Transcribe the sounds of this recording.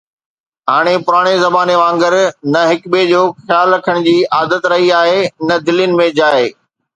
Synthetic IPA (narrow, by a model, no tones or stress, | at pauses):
ɦaːɽ̃epʊɾaːɽ̃ezɐbaːneʋãːŋɡəɾnɐɦɪkbed͡ʑoːxjaːlɾɐkʰəɽ̃d͡ʑiːʔaːd̪ət̪ɾɐɦiaːɦeɪnəd̪ɪljʊnɪ̆mẽd͡ʑaːɦeː